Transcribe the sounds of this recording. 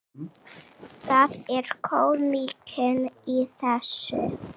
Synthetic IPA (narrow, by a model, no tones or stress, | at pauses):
θaðɛɾ̥kʰoːwlmiːkʰɪniθɛsːʏ̰